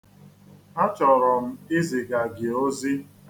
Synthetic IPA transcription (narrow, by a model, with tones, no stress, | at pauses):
a˦t͡ʃɔ˨ɾɔ˨m̩˦ɪ˦zɪ˨ɡa˨ɡɪ˨o˦zi˦